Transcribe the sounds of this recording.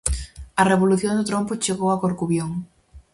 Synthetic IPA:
ɐreβoluθjond̪ʊt̪ɾompʊt͡ʃeɣowɐkoɾkuβjoŋ

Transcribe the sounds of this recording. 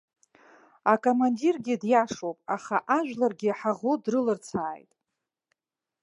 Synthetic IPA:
akʼomandirɡʲɪdjaʂowpʼaχaʔaʒᶣlarɡʲɪħaʁodrɨlɨrt͡sʰaːjtʼ

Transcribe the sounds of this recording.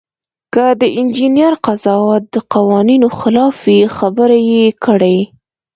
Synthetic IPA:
kəd̪əʔɪnd͡ʒinijaɾqazɑwɑt̪̚d̪əqawɑninoxɪlɑfexabəɾajekəɽaj

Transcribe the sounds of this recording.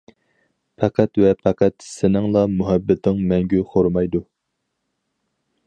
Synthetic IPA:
pʰɛqʰæt̪vɛpʰɛqæt̪sɪnɪŋlˠɑmuɦæbːɪt̪ʰɪŋmɛŋɡʲyχʰoɾmɑjd̪u

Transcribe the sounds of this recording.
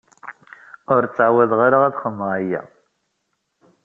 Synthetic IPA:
ʊɾt͡sːʕwæðʁaɾaʁæðχəmːəʁajːæ̰

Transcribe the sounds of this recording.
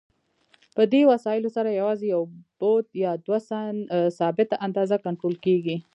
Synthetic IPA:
pəd̪ewasɑjɪlosaɾajawɑzejawb̥od̪jɑd̪wasansɑbɪt̪aʔand̪ɑzakaɳʈɾolkeɡi

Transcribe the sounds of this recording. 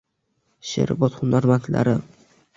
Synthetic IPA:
ʃḛɾbɒt̪χʊnaɾmant̪la̰ɾɪ

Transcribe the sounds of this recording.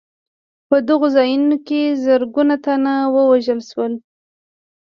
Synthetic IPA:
pəd̪əɣozɑjunokezəɾɡunat̪anawəwaʒəlʃwəl

